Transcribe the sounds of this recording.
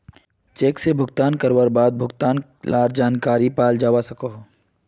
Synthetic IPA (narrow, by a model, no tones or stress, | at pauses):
t͡ʃeːksebʱʊɡt̪aːnkəɾwəɾbaːd̪̚bʱʊɡt̪aːn | laːɾd͡ʒaːnkaːɾipaːld͡ʒaːwasɐkoːɦ